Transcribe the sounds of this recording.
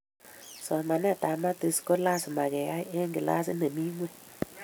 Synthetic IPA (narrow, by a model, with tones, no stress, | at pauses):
sɔ˨ma˨n˦a˦˨ta˨ma˦te˨sko˦la˦sɪ˨ma˨ɡɛ˨ja˦ʔe˦ŋɡɪ˨la̰˦sɪ̰˦ne˨mi˦ŋwe˦